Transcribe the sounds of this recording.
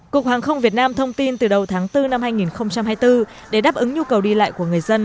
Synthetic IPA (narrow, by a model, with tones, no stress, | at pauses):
ku˨˩ək̚haː˨˩ŋxə˧wŋ͡mvi˨˩ət̚naː˧mt̪ʰə˧wŋ͡mt̪i˧nt̪ɨ˨˩ɗə˨˩wt̪ʰaː˨˦ŋt̪ɨ˧na˧mhaː˧jŋi˨˩nxə˧wŋ͡mt͡ɕa˧mɦaː˧jt̪ɨ˧ | ɗe˧˩ɗaː˦˥p̚ʔɨ˨˦ŋɲu˧kə˨˩wɗi˧la̰ː˧˨jku˧˩əŋɨ˨˩əjzə˧n